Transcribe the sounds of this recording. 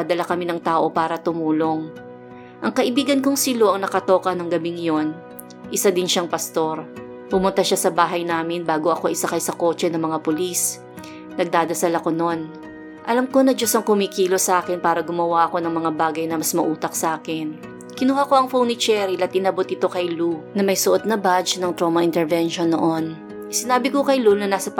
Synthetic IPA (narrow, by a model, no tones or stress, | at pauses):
ɐd̪ɐlakɐminɐŋt̪aːʔo̞paːɾɐt̪ʊmuːlo̞ŋ | ʔɐŋkɐʔɪbiːɡɐnkoŋsilo̞ʔɐŋnɐkɐt̪o̞ːkɐnɐŋɡɐbiŋjo̞n | ʔɪsad̪ɪnʃaŋpɐst̪o̞ɾ | pʊmʊnt̪aʃasɐbaːɦɐjnaːmɪnbaːɡo̞ʔɐko̞ʔɪsakɐjsɐko̞ːt͡ʃɛnɐŋmɐŋapolis | nɐɡ̚d̪aːd̪ɐsalɐko̞no̞n | ʔɐlɐmko̞nɐd͡ʒosɐŋkʊmikiːlo̞sɐʔaːkɛnpaːɾɐɡʊmɐwaʔɐko̞nɐŋmɐŋabaːɡɐjnɐmɐsmɐʔuːt̪ɐk̚sɐʔaːkɪn | kɪnuːhako̞ʔɐŋfownɪt͡ʃɛɾɪlɐt̪̚ʔɪnɐbot̪ɪt̪okɐjlunɐmɐjsʊʔot̪̚nɐbat͡ʃnɐŋt̪ɾomɐɪnt̪ɛɹvɛnʃonːoʔo̞n | sɪnaːbɪko̞kɐjlunɐnaːsɐ